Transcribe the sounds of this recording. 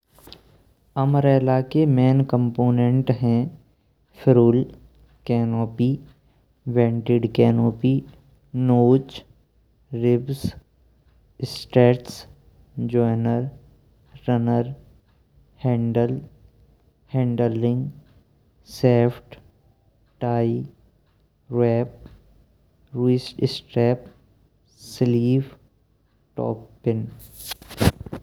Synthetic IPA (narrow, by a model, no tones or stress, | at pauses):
ɐməɾeːlakemeːnkə̃mpoːnẽɳʈɦɛ̃ː | fʰɪɾuːl | kɛːnoːpi | ʋẽːɳʈɪɖkɛːnoːpi | noːt͡ʃ | ɾɪbs | sʈeːʈs | d͡ʒɔːɪnəɾː | ənəɾ | hɛ̃ːɳɖəl | hɛ̃ːɳɖəlːɪ̃ŋɡ | sɛːfʰʈ | ʈaːi | ɾɛːp̚ | ɾisʈɪsʈɾeːp | sɪliːf | ʈɔ̰ːpːɪn